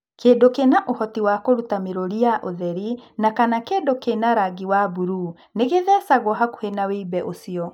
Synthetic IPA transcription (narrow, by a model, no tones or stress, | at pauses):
keːdokenaʔohɔtiwakoɾutameɾoɾiaʔoðɛɾinakanakedokenaɾaɡiwabuɾu | neɣeðɛsaɣɔɦako̥henaweibɛʔosiɔ